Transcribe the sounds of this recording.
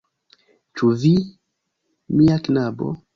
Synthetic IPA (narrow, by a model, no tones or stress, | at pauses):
t͡ʃuvi | miaknabo̰